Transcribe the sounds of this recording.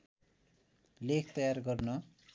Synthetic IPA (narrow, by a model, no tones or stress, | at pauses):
lekʰt̪ʌjarɡʌrnʌ